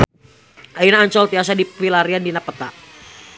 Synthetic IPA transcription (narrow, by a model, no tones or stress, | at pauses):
ʔainaːɲt͡ʃɔlt̪iasadiilaɾiandinapət̪aʔ